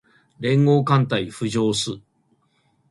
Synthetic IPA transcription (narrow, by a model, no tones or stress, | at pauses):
ɾẽ̞ŋɡo̞ːkãnt̪aiɸɯ̟ʑo̞ːsɨ